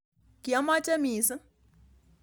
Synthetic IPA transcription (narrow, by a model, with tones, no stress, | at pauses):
ki˨a˦ma˦t͡ʃe˦miː˨˦sɨ˦